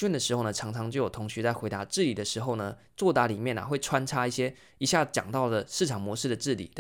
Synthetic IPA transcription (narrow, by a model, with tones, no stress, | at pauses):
ɛ˥˨nd̪ə˩ʂɻ̩˧˥xo˥˩ʊnə˨˩ʈ͡ʂʰɑ˧˥ŋʈ͡ʂʰɑ˧˥ŋt͡ɕjʊjo˨˩t̪ʰŋɕy˧˥t͡sa˥˩ɪxwe˧˥ɪt̪a˧ʈ͡ʂɻ̩˥˩li˨˩d̪ə˩ʂɻ̩˧˥xo˥˩ʊnə˩ | t͡swɔ˥˩t̪a˧˥li˨˩mjɛ˥˩nɐ̰˨˩xwe˥˩ɪʈ͡ʂʰwa˦˥nʈ͡ʂʰa˥i˥˩ɕjɛ˥ | i˨˩ɕja˥˩t͡ɕjɑ̰˨˩ŋt̪ɑ˥˩ʊd̪ə˩ʂɻ̩˥˩ʈ͡ʂʰɑ˨˩ŋmwɔ˧˥ʂɻ̩˥˩d̪ə˩ʈ͡ʂɻ̩˥˩lḭ˨˩˦